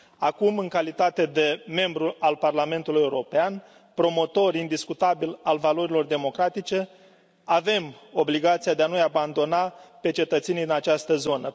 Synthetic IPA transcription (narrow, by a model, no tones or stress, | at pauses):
akumɨŋkalit̪at̪e̞d̪e̞me̞mbɾualparlame̞nt̪uluje̞uɾo̞pean | pɾo̞mo̞t̪o̞ɾind̪iskut̪abilalvalo̞ɾilo̞rd̪e̞mo̞kɾat̪it͡ʃe̞ | ave̞mo̞bliɡat̪siad̪eanujaband̪o̞nape̞t͡ʃe̞t̪ət̪senid̪inat͡ʃast̪əzo̞nə